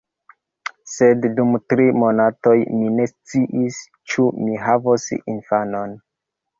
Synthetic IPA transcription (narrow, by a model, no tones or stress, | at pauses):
se̞ddumtɾimonatojmine̞st͡siʔis | t͡ʃumiɦavosḭnfano̞n